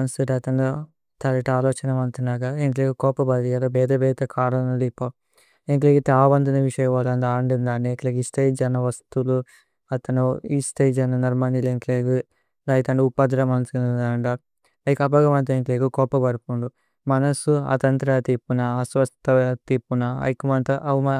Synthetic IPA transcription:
ɐnsuʈɐt̪ɐno | t̪ɐɾiʈaːlɔːt͡ʃɐnɐʋɐnt̪unaːɡaeŋk̬leːɡukɔːpɐbɐɾijɐlobɛːd̪ɐbɛːd̪ɐkʰaːɾɐnɐd̪ipːɐ | eŋkleɡit̪aːbɐnd̪ɐnɐʋiʂɐjɐɐlɐnd̪aːɐɳɖind̪aːnːekleːɡisʈ̪ejd͡ʒɐnɐʋɐst̪ulu | ɐt̪ɐnuist̪ejd͡ʒɐnːɐnɐɾmɐnileŋkleːɡu | d̪ɐjit̪ɐɳɖiupːɐd̪lɐmɐnɐsuinund̪aːɳɖɐ | ɐjikɐbɐɡɐmɐnt̪̬ɐeŋkleːɡukɔːpɐbɐɾpund̪u | mɐnɐsuɐ̰t̪ɐnt̪ɾat̪ipːunɐːsʋɐst̪ɐt̪iːpːunɐɐ̰jikumɐnt̪ɐʔɐmɐ

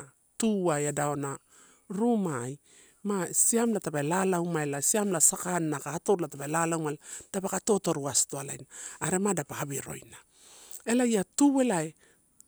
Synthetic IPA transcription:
tuajadaona | ɾumaj | masiamlatapalalawmaelasiamlasakanːakatoɾlatapelalawmalad̥apakato̞to̞ɾuastoala̰jnaːɾe̞madapaabiɾo̞̰jna | e̞lajatuwe̞lae

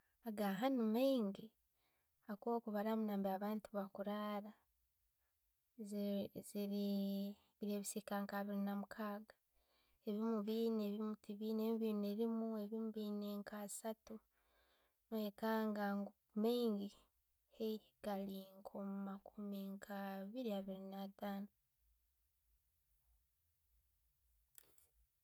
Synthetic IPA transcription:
aɡaɦanumeiŋɡi | ako̞ːkuβaɾamunaːmbiaβaːntuβwakuɾaːɾa | zziɾi | βiɾeːβisikaːŋkaβiɾinamukʰaːɡḁ | eβimuβiːneβimutiβiːneːmβineɾimue̞βimuβineːŋkaːsatu | noekaːŋɡaŋɡo | meŋɡi | he | ɡaliŋkʰomumakʰumiŋkʰaβiɾiaβiɾinataːno

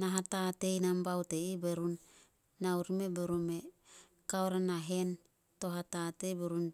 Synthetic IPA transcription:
naɦatatejnambawteibeɾun | nauɾmebeɾume | kawɾanaɦen | toɦatatejbeɾun

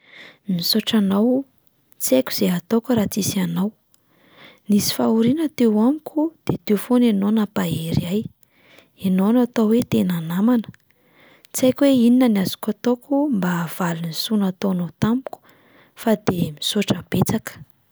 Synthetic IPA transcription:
misoʈ͡ʂanaw | t͡sekʲu̥z̥eɦat̪okəɾat͡sisanaw | nisi̥fauɾinət̪ewamikʲud̪̥et̪ewfonenonapaeɾiaj | enonat̪owet̪enanamanə̥ | t͡sajkʲweininənazi̥kʲat̪okumbaːv̥alunisunat̪onot̪amu̥kʲu̥ | fad̪emisoʈ͡ʂəb̥et͡sakə̥

